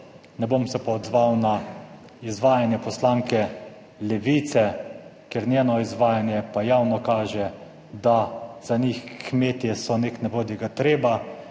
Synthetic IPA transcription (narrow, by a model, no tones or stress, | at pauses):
nɛbomsɛpaɔd̪zʋawna | izʋaːjanjɛpɔslaːŋkɛ | lɛʋiːt̪sɛkeɾnʲjeːnɔizʋaːjanjɛpajaːwnɔkaːʒɛ | d̪az̥anʲixkmeːt̪jɛsɔneːknɛʋoːd̪jɛɡat̪ɾeːba